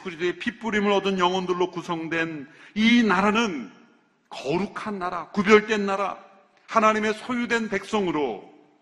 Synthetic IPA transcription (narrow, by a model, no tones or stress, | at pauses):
kuɾideepʰip͈uɾimɯɭʌdɯnjʌŋwʌndɯɭːokusʰʌŋdwe̞ninaɾanɯn | kʌɾukʰanːaɾakubjʌɭt͈we̞nːaɾa̰ | hanaɲime̞sʰojudwe̞npe̞k̚s͈ʌŋɯɾo